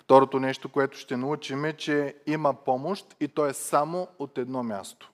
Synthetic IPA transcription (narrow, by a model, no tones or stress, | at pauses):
ft̪ɔɾot̪onɛʃt̪okoɛt̪ʊ̥ʃt̪ɛnɐut͡ʃimɛt͡ʃɛimɐpɔmoʃt̪it̪ɔɛsamoot̪ɛd̪nɔmʲjast̪o̥